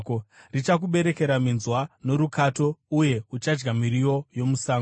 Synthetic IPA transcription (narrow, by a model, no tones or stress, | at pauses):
krit͡ʃak̬uɓe̞ɾe̞ke̞ɾaminzwano̞ɾukʰato̞uje̞ut͡ʃad͡ʒɡamiɾio̞jo̞musaːŋ